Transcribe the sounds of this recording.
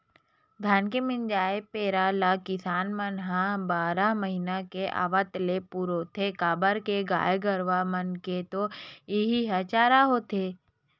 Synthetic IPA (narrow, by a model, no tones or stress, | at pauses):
d̪ʱaːnkemɪnd͡ʒaːepeːɾalakɪsaːnmənɦãbaːɾaməɦinakeʔa̰ːʋət̪lepuːɾot̪ʰekaːbəɾkeɡa̰ːjɡəɾʋamənket̪oɪɦiɦət͡ʃaːɾaɦoːt̪ʰeː